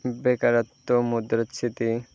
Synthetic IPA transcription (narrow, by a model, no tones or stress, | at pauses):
bekaɾat̪ːomud̪ɾot̪sʰit̪i